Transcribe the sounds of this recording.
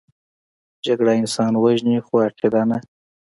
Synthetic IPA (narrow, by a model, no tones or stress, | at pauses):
d͡ʒaɡɽaɪnsɑnwaʒnixoaqʰed̪ɑna